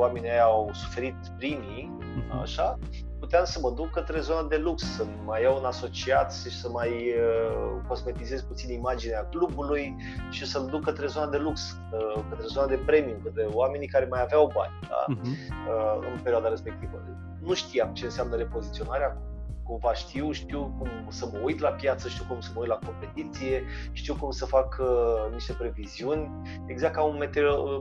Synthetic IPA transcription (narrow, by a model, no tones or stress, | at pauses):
oame̞nʲiajaawsu̥fe̞ɾit̪̚pɾimi | a̰ʃa | put̪eamsəməd̪ukːət̪ɾe̞zo̞nad̪e̞lukssə | majːawunaso̞t͡ʃiat̪ʃi̥səmajəko̞zme̞t̪ize̞zput̪sinimad͡ʒineaklubuluj | ʃisəmd̪ukːət̪ɾezo̞nad̪e̞luks | əkət̪ɾezo̞nad̪e̞pɾe̞miumkət̪ewame̞nikaɾe̞majaveawba̰nʲd̪̥a̰əɨ̰npeɾʲioad̪aɾe̞spe̞k̚t̪ivə̰ | nuʃt̪iamt͡ʃe̞ɨnsamnəɾe̞po̞zit̪sio̞naɾeak | kumvaʃt̪iwʃt̪iwkum | səməujt̪lapjat̪səʃt̪iwkumsəməujt̪lako̞mpe̞t̪it̪sije̞ | ʃt̪iwkumsəfakəniʃt̪e̞pɾe̞viziunʲ | eɡzak̚k̪ːaunme̞t̪eo